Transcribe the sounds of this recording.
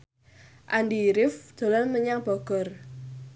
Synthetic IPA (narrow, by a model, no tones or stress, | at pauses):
ʔandiɾɪfd̪̥ɔ̤lɔnməɲaŋb̥ɔɡ̥ɔr